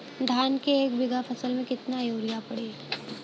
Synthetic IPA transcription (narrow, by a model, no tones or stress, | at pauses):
d̪ʱaːnkeeːkbɪɡapʰɐsəlmẽkɪt̪najoːɾijapɐɽe